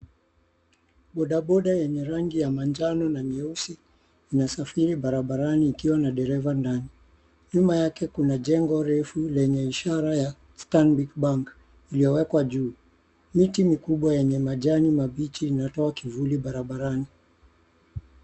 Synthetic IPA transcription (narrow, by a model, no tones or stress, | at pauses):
ɓɔɗaɓɔɗajɛɲɛɾaŋɡijamand͡ʒanɔnamiɛusi | inasafiɾiɓaɾaɓaɾaniːkiwanaɗɛɾɛvandani | ɲumajakɛkunaʄɛŋɡɔɾɛfulɛɲɛiʃaɾaja | stanbikɓaŋk | ilijɔwɛkwaʄuː | mitimikuɓwajɛɲɛmaʄanimaɓit͡ʃiːnatɔakivuliɓaɾaɓaɾani